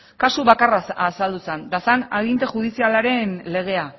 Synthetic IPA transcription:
kasuβakaraasald̪usend̪asanaɣint̪e̞ʝuð̞isialaɾe̞nle̞ɣ̞e̞a

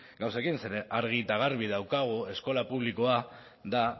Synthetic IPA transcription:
ɡawsekinseɾeʔaɾɣ̞it̪aɣ̞aɾβiðawkaɣ̞ue̞sko̞lapuβliko̞a | ða

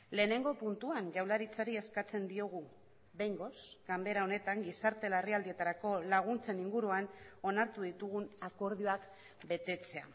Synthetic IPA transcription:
le̞ːne̞ŋɡo̞punt̪uanʝawlaɾit͡saɾie̞skat͡se̞nd̪io̞ɣ̞u | βe̞jŋɡo̞sɡ̥ambe̞ɾao̞ne̞t̪aŋɡisaɾt̪e̞lariald̪ie̞t̪aɾako̞laɣ̞unt͡se̞niŋɡuɾuano̞naɾt̪uðit̪uɣunako̞ɾð̞ioak | be̞t̪e̞t͡se̞a̰

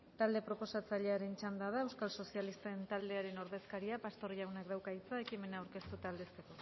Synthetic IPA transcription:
t̪ald̪e̞pɾo̞po̞sat͡saʎe̞aɾe̞nt͡ʃand̪að̞aewskalso̞sialist̪aent̪ald̪e̞aɾe̞no̞ɾðe̞skaɾiapast̪o̞ɾiʎawnakd̪awkait͡sae̞kime̞naːwɾke̞st̪ut̪aːld̪e̞st̪e̞ko̞

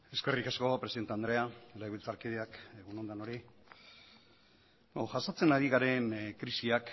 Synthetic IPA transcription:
e̞ske̞rikasko̞pɾesiðt̪eand̪ɾe̞alaiβilt͡saɾkiðeakeɣuno̞nd̪ano̞ɾi | oʝasat͡se̞naɾiɣaɾe̞nkɾisiak

